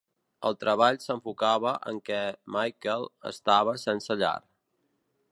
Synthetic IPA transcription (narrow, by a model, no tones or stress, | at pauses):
ə̰lˠt̪ɾəβ̞aʎsəɱfukaβəʔə̰ŋkɛmajkəlˠə̰st̪aβ̞əsɛnsəʎa̰r